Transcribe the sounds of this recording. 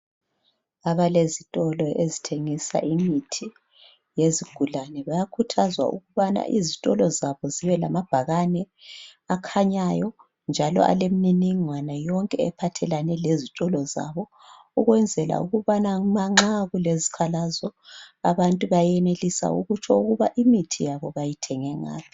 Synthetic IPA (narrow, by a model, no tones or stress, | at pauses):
aβalezitʼɔlɔezitʰeŋisa̰ʔiŋitʰi | jeziɡ̥ʱulanɛβajakʰutʰazwa̰ṵɣuβana̰ʔizitʼɔlɔzaβɔziβɛla̰mab̥ʱaɣanɛ | akʰaɲajɔ | nd͡ʒʱalɔ̰ʔa̰lemininiŋwanajɔŋkʼɛɛpʰatʰɛlanɛlezitʼɔlɔza̰βɔ | uɣwɛnd͡zʱɛla̰uɣuβanamaŋ͡ǁaɣulezikʰalazɔaβantʼuβajɛnelisa̰ṵɣut͡ʃʰɔuɣuβaʔimitʰijaβɔβajitʰɛŋɛŋa̰ːpʰi̥